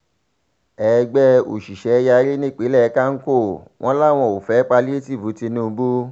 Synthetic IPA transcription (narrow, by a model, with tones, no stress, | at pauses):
ɛ˨˦˧ɡ͡bɛ˦o̰˨ʃi˨ʃɛ˨˦˧ja˧˦ɾi˦nĩ˦˨k͡pe˨˦lɛ˦˨˧ka˦ŋ̩˦ko˦˨w̃ʔɔ̃˦la˦˨w̃ɔ̃˧o˨fɛ˨˦k͡pa˧li˦e˦ti˦˨bu˨˦ti˧nũ˦˧bu˦